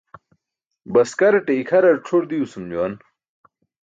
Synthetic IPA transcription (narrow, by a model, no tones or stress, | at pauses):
bɐskɐɾɐʈeikʰɐɾɐɾʈ͡ʂʰoɾd̪iusumd͡ʑuwan